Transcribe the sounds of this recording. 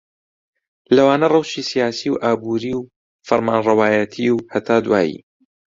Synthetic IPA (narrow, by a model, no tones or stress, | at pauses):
lɐwaːnɐrˤɐwʃiːsijaːsiwʔaːbuːɾiw | fɐɾmaːnrɐwaːjɐt̪ʰiwhɐt̪ʰaːd̪waːjḭ